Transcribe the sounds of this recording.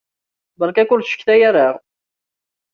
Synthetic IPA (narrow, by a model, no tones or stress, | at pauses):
bəɾˤkækʊlʃə̥kːθæjæɾaʁ